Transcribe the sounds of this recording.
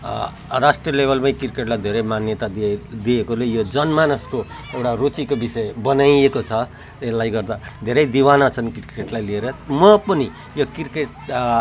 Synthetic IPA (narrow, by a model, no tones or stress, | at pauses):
rasʈriʌlebʱʌlmajkirkeʈlajd̪ʱeɾʌjmanjʌt̪aid̪iekolejod͡zʌnmanusko | ewʈarot͡sikobisʌebʌnajekot͡sʰʌ | elːajɡʌrd̪ad̪ʱeɾʌjd̪iwanʌt͡sʰʌnkirkeʈlajlieɾʌmʌpʌni | jokirkeʈ